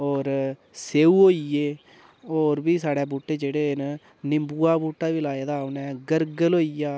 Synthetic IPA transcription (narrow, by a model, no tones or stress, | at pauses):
ɔːɾ | seːuːɦoːijeː | ɔːɾbiːsaːɽeːbuːʈːeːd͡ʒeːɽeːn | nɪmbuːaːbuːʈːaːʋiːlaːeːd̪aːnɛːɡəɾɡəloːijaː